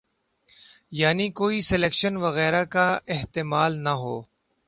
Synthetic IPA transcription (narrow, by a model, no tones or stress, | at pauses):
jaːnikoːisɪleːkʃənʋɐɣɛːɾakaɪɦt̪ɪːmaːlnaɦoː